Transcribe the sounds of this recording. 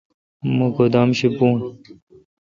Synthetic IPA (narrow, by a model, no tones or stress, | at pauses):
mukod̪aːmɕipuːn